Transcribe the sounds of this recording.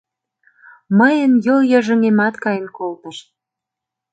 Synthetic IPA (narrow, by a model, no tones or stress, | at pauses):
məjə̆njoljə̆ʒə̆ŋemɑt̪kɑjənkolt̪ə̆ʃ